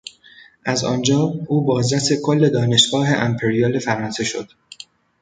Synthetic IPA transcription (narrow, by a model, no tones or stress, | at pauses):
ʔæzɒ̰ːnd͡ʒɒːʔuːbɒːzɾæsekʰolːe̞d̪ɒːne̞ʃɡ̥ɒːɦe̞ʔæmpʰe̞ɾijɒːle̞fæɾɒːnse̞ʃo̞̰d̪̥